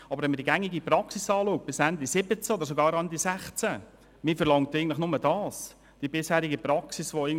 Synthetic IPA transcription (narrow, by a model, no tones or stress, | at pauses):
ɑbəɾʋɛnmədiɡæŋiɡipɾɑksisɑːluːk̚t̚b̥ɪsændisɪbət͡səod̪əɾsoɡɑːɾɑndisæχt͡sæ | mɪfəɾlɑŋtɪɡəntlɪχnʊmədɑːs | d̥ibɪshæːɾiɡəpɾɑksisʋoɪɡ